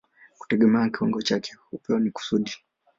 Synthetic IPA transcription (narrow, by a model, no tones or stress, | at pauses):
ku̥tɛɠɛmɛakiwaŋɡɔt͡ʃakɛ̥hupɛɔniku̥suɗi